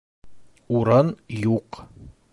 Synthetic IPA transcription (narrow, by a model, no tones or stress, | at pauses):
uɾɑnjuq